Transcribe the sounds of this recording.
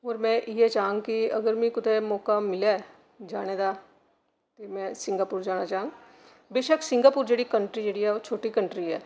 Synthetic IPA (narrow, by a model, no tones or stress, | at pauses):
ɔːɾmɛ̃ʔjet͡ʃaːɦũŋɡkiɐɡəɾmĩkʊt̪emɔːkamɪle | d͡ʒaːñed̪a | t̪emɛ̃sɪ̃ŋɡaːpuːɾd͡ʒaːnat͡ʃaːɦũŋɡ | beːʃəksɪ̃ŋɡaːpuːɾd͡ʒeːɽikɐ̃ɳʈɾid͡ʒeːɽiɦɛot͡ʃʰoːʈikɐ̃ɳʈɾiɦɛː